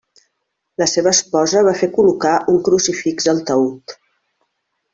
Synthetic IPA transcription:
ləseβəːspɔzəβ̞afekulukaʔuŋkɾusifiɡzəlˠt̪əut̪

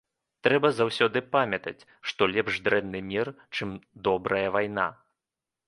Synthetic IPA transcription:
t̪ɾɛbɐzawsʲɔd̪ɨpamʲɐt̪ɐ̰t͡sʲ | ʂt̪ɔlʲɛpʐd̪ɾɛnnɨmʲir | t͡ʂɨmd̪ɔbɾʔɐjɐvajna̰

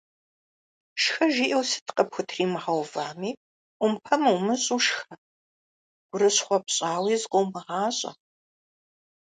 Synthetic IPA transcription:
ʃxɐʒiːʔɐwsɨ̥tqʼɐpxʷʊtʰriːmɨʁɐwvaːmiː | ʔʷʊmpʰɐmɨwmɨɕʼuʃxɐ | ɡ̥ʷʊɾɨɕχʷɔpɕʼaːwiːzqowmɐʁɑːɕʼɐ̰

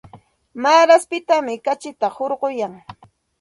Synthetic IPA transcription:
maːɾaspɪt̪amɪkat͡ʃɪt̪ahoɾɢojaŋ

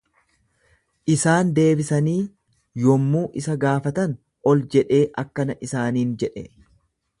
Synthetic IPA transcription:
ʔɪsaːnd̪e̞ːbɪsɐniː | jɔmːuːʔɪsɐɡaːfɐt̪ɐn | ɔld͡ʒɛᶑe̞ːʔɐkːɐnɐʔɪsaːniːnd͡ʒɛᶑɛ̰

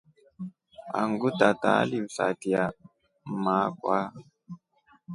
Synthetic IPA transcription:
a̰ŋɡutata̰ːlisa̰tia | maːkwa

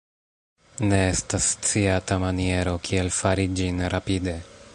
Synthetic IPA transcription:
ne̞e̞stast͡siatamanie̞ɾo̞kʰie̞lfaɾid͡ʒinɾapide̞

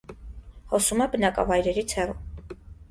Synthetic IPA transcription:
hɔsumɛbənɑkʼɑ̰vɑjɾɛɾit͡sʰhɛrɔ

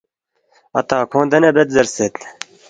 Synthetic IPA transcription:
ɐ̰t̪ɑːkʰõːnd̪ɛnɛbɛt̪zɐɾset̪

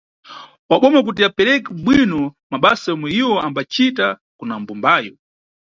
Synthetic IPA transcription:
waɓɔmak̬ut̬iapɛɾɛkɛɓwinɔmaɓasajɔmwɛiwɔambat͡ʃita | kunambumbaːjɔ

